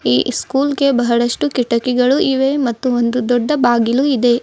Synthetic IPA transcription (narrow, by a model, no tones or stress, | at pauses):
ḭːskuːlɡe̞bɐɦɐɽɐʂʈukiʈɐkiɡɐɭuʔiʋe̞mɐt̪ːuond̪ud̪ɔɖːɐbaːɡiluid̪e̞